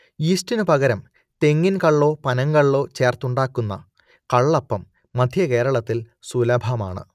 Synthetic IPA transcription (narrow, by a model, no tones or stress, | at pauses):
iːstinɨpɐɣɐɾɐm | t̪e̞ŋːinkɐɭːo̞ːpɐnɐŋkɐɭːo̞ːt͡ɕe̞ːrt̪uɳɖaːkːunːɐ̰ | kɐɭːɐpːɐmː | ɐd̪ʱjɐke̞ːɾɐɭɐt̪ːil | sulɐbʱɐma̰ːɳɨ̰